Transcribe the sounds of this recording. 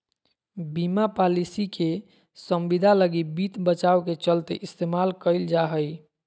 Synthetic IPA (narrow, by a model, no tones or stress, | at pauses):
bimapalisike | səmbid̪ʱaləɡibit̪bət͡ʃawket͡ʃəlt̪eʔist̪emalkəɪld͡ʒaɦəj